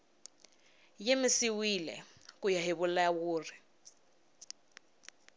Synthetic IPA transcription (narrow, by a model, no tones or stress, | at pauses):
jemɪsiwilɛ̰kujaɦɪβulawuːri